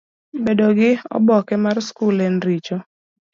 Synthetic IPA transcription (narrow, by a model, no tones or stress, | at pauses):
bedoɡɪɔ̰bɔkɛmarskulɛnɾit͡ʃo